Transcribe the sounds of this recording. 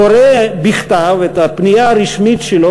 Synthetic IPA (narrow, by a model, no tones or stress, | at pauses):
oɾebiχt̪avet̪apnijaːɾiʃmitʃelo